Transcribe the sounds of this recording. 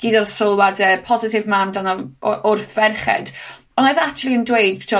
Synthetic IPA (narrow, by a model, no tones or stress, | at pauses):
ɡ̥iːdɔrsʊlˠwadəːpʰɔzɪtʰɪvmandanɔʔʊrθvɛrχɛ̰d | ɔnojðakt͡ʃulˠiəndwejd̚t͡ʃʰɔ